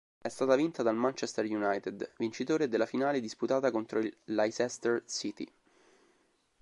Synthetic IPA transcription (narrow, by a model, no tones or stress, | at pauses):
ɛst̪aːt̪avint̪ad̪almant͡ʃɛst̪erjunajt̪ed̪vint͡ʃit̪oːɾed̪elːafinaːled̪isput̪aːt̪akont̪ɾoilːajsɛst̪ersit̪ḭ